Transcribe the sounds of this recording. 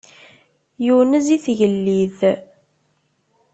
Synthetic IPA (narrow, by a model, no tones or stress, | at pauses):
juwənəziθʝəlːið